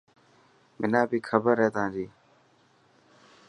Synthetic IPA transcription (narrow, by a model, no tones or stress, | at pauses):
mɪnãːbiːkʰəbəɾeːt̪ãːd͡ʒiː